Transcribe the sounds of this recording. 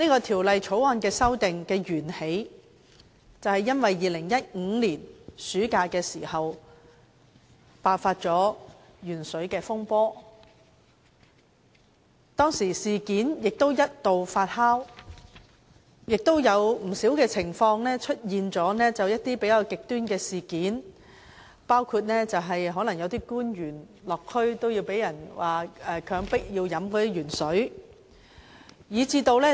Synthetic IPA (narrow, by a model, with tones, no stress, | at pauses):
niː˥kɔː˧t̪ʰiː˨˩wlɐ˨˧jt͡ʃʰo˨˥waː˧nkɛː˧sɐ˥wt̪ɪ˨ŋkɛː˧jyː˨˩nhe˨˥j | t͡sɐ˨whɐ˨jːɐ˥nwɐ˨jːiː˨lɪ˨˩ŋjɐ˥t̚ŋ̩ː˨˧˥liː˨˩nsyː˨˥kaː˧kɛː˧siː˨˩hɐ˨w | paː˨˧wfaː˧t̚t͡sɔː˨˥ | jyː˨˩nsɵ˨˥ɥkɛː˧fʊ˥ŋpɔː˥ | t̪ɔː˥ŋsiː˨˩siː˨kiː˨˥njɪ˨k̚t̪o˥wjɐ˥t̚t̪o˨wfaː˧t̚haː˥w | jɪ˨k̚t̪o˥wjɐ˨˧wm̩˨˩siː˨˥wkɛː˧t͡sʰɪ˨˩ŋfɔː˧ŋnɛː˥t͡ʃʰɵ˥t̚jiː˨˧nt͡sɔː˨˥nɛː˥t͡sɐ˨wjɐ˥t̚t̪iː˥pe˨˥jɐ˨˧wkɪ˨k̚t̪yː˥nkɛː˧siː˨˩kiː˨˥n | paː˥wkʰuː˧t̚nɛː˥t͡sɐ˨wɦɐ˨jɦɔː˨˥nɐ˨˩ŋjɐ˨˧wt̪iː˥kuː˥njyː˨˩n | lɔː˨kʰːɵ˥ɥt̪o˥wji˧wpe˨˥jɐ˨˩nwaː˨˩ɛː˨kʰœː˨˧ŋpɪ˥k̚jiː˧wjɐ˨˥mkɔː˨˥d̪i˥ɥyː˨˩nsɵ˨˥ɥ | jiː˨˧t͡siː˧t̪o˧wlɛː˥